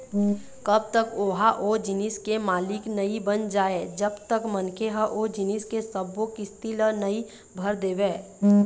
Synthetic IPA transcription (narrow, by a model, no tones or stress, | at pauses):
kəb̚t̪əkoːɦaʔod͡ʒɪnɪskemaːlɪknəibənd͡ʒaːed͡ʒəbt̪əkmənkʰeɦəʔod͡ʒɪnɪskesəbokist̪ilənəi | bʱəɾd̪eːbeː